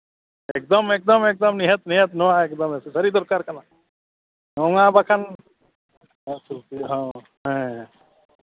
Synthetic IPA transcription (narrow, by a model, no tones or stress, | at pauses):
ek̚d̪ɔmek̚d̪ɔmek̚d̪ɔmniɦət̪niɦɛt̪nɔwaekd̪ɔmesesɐɾid̪ɔɾkaɾkana | nɔŋabakʰan | sʰutiɦɔ̃ | ɦɛ̃